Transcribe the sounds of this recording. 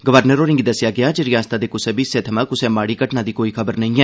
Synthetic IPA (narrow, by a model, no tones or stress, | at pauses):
ɡəʋəɾnəɾoːɾɪ̃ŋɡid̪əsɪjaːɡɪaːd͡ʒəɾɪjãːnst̪aːd̪eːkʊsẽːbiːsẽːt̪ʰəmãːkʊsẽːmaːɽiːkəʈnaːd̪iːkoːiːkʰəbəɾnəĩːɛː